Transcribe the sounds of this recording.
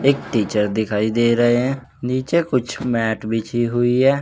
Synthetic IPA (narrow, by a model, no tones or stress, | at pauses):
ɪkʈiːt͡ʃəɾd̪ɪkʰaːiːd̪eːɾəɦeːɦɛ̃ː | niːt͡ʃeːkʊt͡ʃʰmɛːʈbɪt͡ʃʰiːɦʊiːɛː